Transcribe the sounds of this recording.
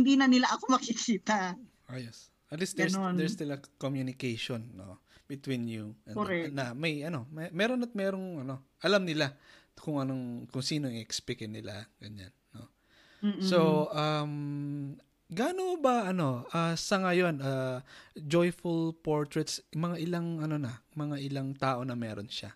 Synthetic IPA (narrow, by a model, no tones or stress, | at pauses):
hɪnd̪inɐnɪlaʔɐkomɐkikʰiːt̪ɐ | ʔɐjɛs | ʔɐt̪lisd̪ɛɹd̪ɛɹst̪ɪlɐkomjunɪkejʃonːo̰ | bɪt̪winjuɐnɐmɐjɐno̞mɛmɛːɾo̞nɐt̪̚mɛːɾo̞ŋɐno̞ʔɐlamnɪlakʊŋɐno̞ŋkʊŋsiːno̞ɪʔɛkspɪkɪnɪla̰ɡ̥ɐɲa̰nːo̞̰ | soʔɐm | ɡaːnobɐʔɐno̞ʔɐsɐŋɐjo̞nɐ | d͡ʒo̞jfʊlpo̞ɹt̪ɹɛt̪smɐŋaʔɪlaŋʔɐno̞nɐmɐŋaʔɪlaŋt̪aːʔo̞nɐmɛːɾo̰nʃa̰